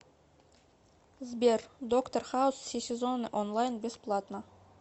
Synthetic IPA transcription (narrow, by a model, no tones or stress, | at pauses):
zbʲerʲd̪okt̪orχaʊssʲesʲezonəʔonlˠajnbʲesplˠat̪nə